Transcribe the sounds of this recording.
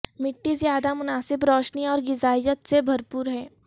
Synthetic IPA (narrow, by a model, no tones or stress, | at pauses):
mɪʈːizjaːd̪amʊnaːsɪbɾɔːʃniɔːɾɡɪzaːɪjət̪sebʱɐɾpuːɾɦɛː